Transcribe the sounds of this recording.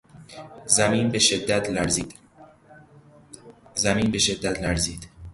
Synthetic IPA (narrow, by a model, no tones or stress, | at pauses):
zæmiːnbeʃed̪ːæt̪ʰlæɾziːd̪ | zæmiːnbe̞ʃed̪ːæt̪ʰlæɾziːd̪̥